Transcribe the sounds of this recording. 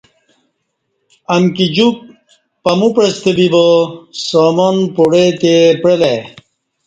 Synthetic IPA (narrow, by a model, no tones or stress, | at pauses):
ɐmkid͡ʑuk̚ | pɐmupɾest̪ebibosaːmonpoɽet̪epɾele